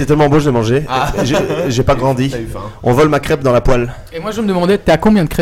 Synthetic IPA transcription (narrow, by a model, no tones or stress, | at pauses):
sɛt̪ɛlmɑ̃boʒəlɛmɑ̃ʒeʒʒepaɡʁɑ̃d̪iɔ̃vɔlmakχɛp̚d̪ɑ̃lapwal | emwaʒəməd̪əmɑ̃d̪ɛt̪yakɔ̃bjɛ̃d̪əkχɛ